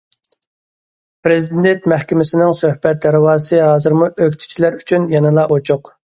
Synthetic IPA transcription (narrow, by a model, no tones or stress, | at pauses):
pɾɪzd̪id̪ent̪mɛhkʲɪmɪsɪnɪŋsøhbɛt̪̚d̪ɛɾwɑːsɨɦɑːzɨɾmuʔøkʲt̪ʰy̥t͡ʃʰilæɾyt͡ʃʰynjɑnɨlˠɑʔot͡ʃʰʊq